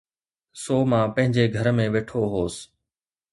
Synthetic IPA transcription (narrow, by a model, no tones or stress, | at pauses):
soːmãpɐ̃ɦɪ̃ɲd͡ʑeɡʱɐɾmẽʋeːʈʰoɦoːs